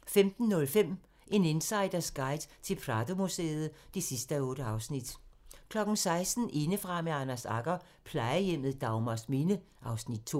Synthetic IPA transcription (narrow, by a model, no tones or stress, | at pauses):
femd̥n̩ːɔ̽lfem̰ | ʔe̝ne̝nsɑ̈ɪd̥ɐsɡ̥ɑ̈ɪ̰d̥t͡sʰe̝lpʰʁɑdo̝musḛːð̞̩ˠd̥e̝sisd̥əæɔ̽ːɾ̥əɑ̈ʊsnid̥kʰlɒ̽ɡ̥n̩sɑ̈ɪsd̥n̩ʔe̝nəfʁɑ̈meɑnæsɑ̈ɡ̥ɐ | pʰlɑ̈ɪəjem̰ð̞̩ˠd̥ɑ̈ʊmɐsminə | ʔɑ̈ʊsnid̥̚t͡sʰo̝̰ː